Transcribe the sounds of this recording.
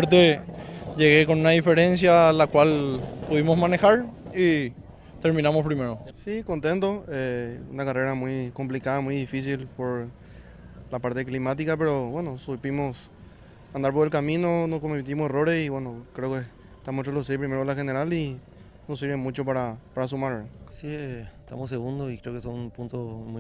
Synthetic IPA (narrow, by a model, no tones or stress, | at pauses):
ɾt̪ed͡ʒeɣekonunaðifeɾensjalakwalpuðimosmane̞xaɾi | t̪eɾmĩnamospɾimeɾosiko̞nt̪e̞nt̪oeṵnakare̞ɾamujkomplikaðamujðifis̬ilpoɾ | lapaɾt̪eklimat̪̬ikap̬e̞ɾoβwe̞nosupimos | and̪aɾpoɾe̞lkamĩno̞nohkomet̪̬imosero̞ɾesiwenokɾeoke | t̪amotɾelus̬ep̬ɾimeɾolaxeneɾali | nos̬iɾβemut͡ʃopaɾapaɾas̬umaɾsiet̪a̰mos̬eɣund̪oikɾeokesonpunt̪omu